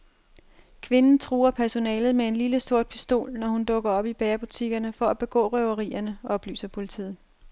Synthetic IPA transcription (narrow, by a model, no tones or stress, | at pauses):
kʰʋe̝nn̩t͡sʰʁuːɐpʰæɐso̝nɛːlð̞̩ˠmee̝nliləsd̥o̝ɐ̰d̥̚pʰisd̥o̝̰ːlnɒhund̥ɔ̽ɡ̥ɐɒ̽b̥ib̥ɛːɐb̥ut͡sʰiɡ̥ɐnəfɒ̽æb̥e̝ɡ̥ɔ̰̽ːʁœʊɐʁḭːɐnəɒɒ̽b̥ly̰ːsɐpʰo̝lit͡sʰḭːð̩ˠ